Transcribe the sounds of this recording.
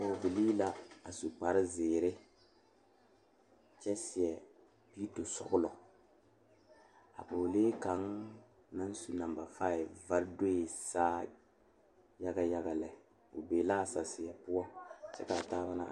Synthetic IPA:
o˨vi˨liː˦la˦a˨su˨k͡pa˨ɾɪ˦zeː˨ɾɪ˦ | t͡ʃɛ˦sɪ˨ɛ˨ | pi˦to˨sɔ̰˦ɡʊ˦lɔ˨ | a̰˨po˨leː˦ka˨˦ŋ | na˦n˦su˨na˨mba˨faː˦˨ɪ˨va˦ɾde˦i˨saː˦ | ja˦ɡa˦ja˦ɡa˨lɛ˨ | o˨beː˨la˦˨sa˨sɪ˨ɛ˨pʊ˦ɔ˦sɛ˦ka˨taː˦ba˦na̰˦˨

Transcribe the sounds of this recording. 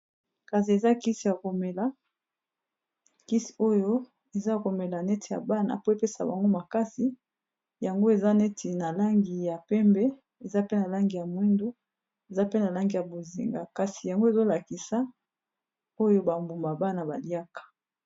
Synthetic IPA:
ka˨si˨e˨za˦ki˦si˨ja˨ko˨me˨la˦ | ki˦si̥˨o˦jo˦ | e˨za˦˨ko˨mɛ˨la˨nɛ˦tʰi˨ja̰˨ba˦na̰˨po˦e˨pe˦sa̰˨ba̰˨ŋɡo˦ma˨ka˦si˨ | ja˨ŋɡo˦e˨za˦nɛ˦tʰi˨na˨la˦ŋɡi˨ja˨pɛ˦mbɛ˦ | e˨za˦pe˦na˨la˦ŋɡi˨ja˨mwi˦ndo˦ | e˨za˦pe˦na˨la˦ŋɡi˨ja˨bo˨zḭ˨ŋɡa̰˨ka˨si˨ja˨ŋɡo˦e˦˨zo˦la˨ki˨sa˦ | o˦jo˦ba˨mbu˨mba˨ba˦na˨ba˨li˦a˦kḁ˨

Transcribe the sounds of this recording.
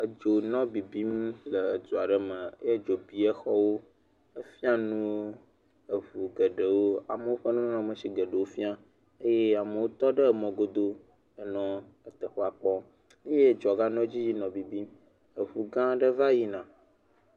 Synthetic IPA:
ə˨d͡ʒo˨nɔ̃˦bi˨bi˦mlə˨ə˨du˨a˨ɖə˦mə̃˨˦je˦d͡ʒo˨bi˨ɛ˦xɔ˦wo˦ | ə˦fi˦a˦nũ˦ | ə˨ɸu˨ɡə˨ɖə˨wo˦a̰˨mə̃˨˦wo˦ɸə˦nũ˦nã˦mə˨si˦ɡə˨ɖə˨wo˦fi˦a˦ | e˦je˦a˨mə˨wo˦t̪ɔ˦ɖə˦˨mɔ̃˨ɡo˦d̪o˦ | ə˨nɔ̃˦ | ə˨t̪ə˨xo˦a˨k͡pɔ˦ | e˦je˦˨d͡ʒɔ˨ɡa˦nɔ̃˦d͡ʑi˦ji˦nɔ̃˨bi˨bi˦m | ə˨ɸu˨ɡã˦ɖə˦va˦ji˦nã˨

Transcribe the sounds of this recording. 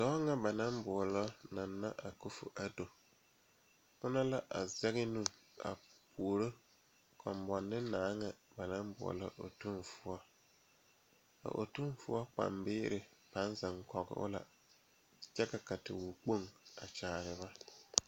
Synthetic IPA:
d̥ɔ˨˦ŋa˨ba˨na˦mbʊ˨ɔ˨lɔ˦na˨nːa˦ʔa˨ku˦fʊ̰˨ʔa˨do˨ | pʊ˦na˦la˦ʔa˨zɛ˦ɣɪ˦nũ˦˨a̰˨pʰu˨o˨ɾo˦ | kʰɔ˨mbɔ˨nːɪ˦naː˨˦ŋa˨ba˨na˦mbʊ̰˨ɔ̰˨lɔ̰˦ʔo̰˨tu˦nfʊ˦ɔ˦ | a̰˨ʔo̰˨tu˦nfʊ˦ɔ˦k͡pa̰˨mbɪː˦ɾɪ˨pa˨˦n˦za˨ŋkɔ˨ɣɪ̰˦ʔʊ̰˦la̰˨ | t͡ʃɛ˦ka˨ka˨tɪ̰˨wu˨k͡po˦ŋa̰˨t͡ʃaː˨ɾɪ˨βa˦

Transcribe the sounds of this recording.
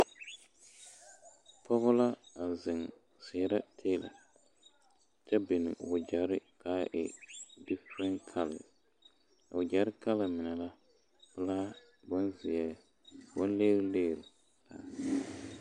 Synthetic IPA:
pʰɔ˦ɣʊ˦la˦a˨zɪ˨ŋ | sɛː˨˦ɾa˦tʰeː˦lɪ̰˨ | t͡ʃɛ˦bɪ˨nɪ̰˨ʊ˨d͡ʒa˨ɾɪ˦kaː˨˦ʔɪ̰˨dɪ˦fɾɛ˦nkʰa˦lɪ̰˨ | ʊ˨d͡ʒa˨ɾɪ˦ka˦lɪ˨mɪ˨nɛ˨la˦ | pɨ˦laː˦ | bʊ˦nzɪ˨ɛ˨ | bʊ˦n˦le˦ɾleː˦˨ɾ | la̰˨

